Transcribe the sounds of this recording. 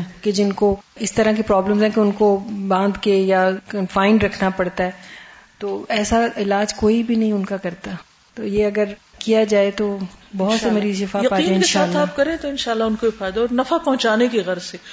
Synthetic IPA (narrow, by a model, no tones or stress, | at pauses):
ɛked͡ʒɪnkoɪst̪ɐɾak̬ipɾɔːbləmzɦɛ̃keʊnkobãːnd̪kejakɐnfãːɪ̃ɳɖɾɐkʰnapɐɽt̪aɦɛːt̪oːɛːsaɪlaːd͡ʒkoːibʱinɐɦĩʊnkakɐɾt̪a | t̪ojeɐɡəɾ | kijad͡ʒaːet̪obɐɦʊt̪semɾizʃɪfaːjɐpaːiːd͡ʒẽɪnɪkeʃaːt̪ːʰaːp̚kɐɾẽːt̪oɪnʃaːlːaʊnkoifaːɪd̪aɔːɾnɐfapɐɦʊ̃t͡ʃaːnekiɣɐɾze